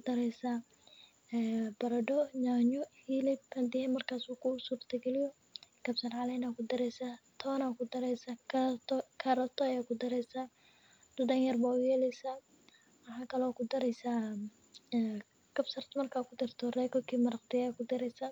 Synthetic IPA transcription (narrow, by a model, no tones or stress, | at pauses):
kʊd̪̥ɐɾɛjsa | ɛbɐɾɐdɔɲaːɲɔhilɪb̚hɐnd̪ɪhɛmɐrkʰaːsuːkʰʊsuːrt̪ʰɐɡɛlɪjɔ | ɡ̥ɐbsɐrʕɑlɛːnaːkʰʊd̪ɐɾɛjsat̪ʰɔːnakʰʊd̪ɐɾɛsa | kʰɐɾɐt̪ʰɔɐjaːkʰʊd̪ɐɾɛjsa | d̪ʊdɐŋjɐrbaʊɣjɛːlɛsa | mɑħɑːkʰɐlɔkʰʊd̪ɐɾɛjsa | ɡ̥ɐbsɐrt̪ʰmɐrkʰaːkʰʊd̪ɪrt̪ʰɔrɛːkʰɔkʰiːmɐɾɐqt̪ʰɪjakʰʊd̪ɐɾɛjsa